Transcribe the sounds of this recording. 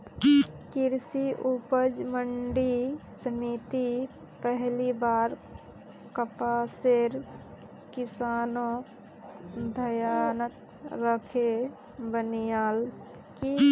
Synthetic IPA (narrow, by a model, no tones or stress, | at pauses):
kiɾsiʔupəd͡ʒməɳɖisənit̪i | pəɦlibaːɾ | kəpaseɾ | kisaːnõ | d̪ʱəjanət̪ | ɾəkʰe | bənijal | ki